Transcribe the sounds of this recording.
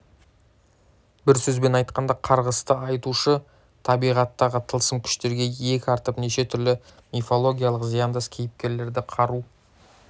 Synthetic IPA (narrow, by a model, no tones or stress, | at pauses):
bɪɾsɵzbe̞nɑjt̪qɑnd̪ɑqʰɑɾʁəst̪əɑjt̪uʃə | t̪ʰɑbijʁɑt̪ːɑʁət̪ʰəlˠsəmkʲʰʏ̥ʃt̪e̞ɾɡʲe̞e̞kʲɪɑɾt̪əpne̞ʃe̞t̪ʰʏɾlɪ | mʲefo̞lˠo̞ɡʲijalˠəqzijand̪əskʲʰe̞jɪp̚kʲe̞ɾle̞ɾd̪ɪqʰɑɾu